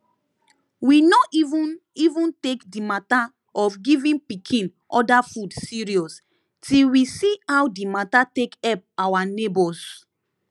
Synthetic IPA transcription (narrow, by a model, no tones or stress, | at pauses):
winɔivũnivũntekdimata | ɔfɡivĩnpikʰĩn | ɔdafudsiɹiɔs | tilwisiawdimatatekɛp̚awanebɔs